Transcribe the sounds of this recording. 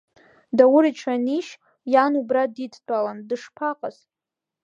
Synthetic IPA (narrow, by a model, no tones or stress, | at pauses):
dawʊɾiʈ͡ʂʰaniʃ | janubraditʰʼtʷʼalandɨʂpʰaqʼaz̥